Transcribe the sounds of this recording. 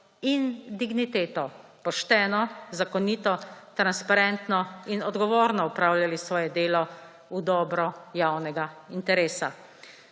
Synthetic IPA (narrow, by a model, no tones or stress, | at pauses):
ind̪iɡnit̪eːt̪ɔpɔʃt̪ɛːnɔzakɔniːt̪ɔt̪ɾanspaɾɛnt̪nɔinɔd̪ɡɔʋoːɾnɔupɾawljalisʋɔːjɛd̪eːlɔ | ud̪ɔːbɾɔjawnɛɡaint̪ɛɾeːsa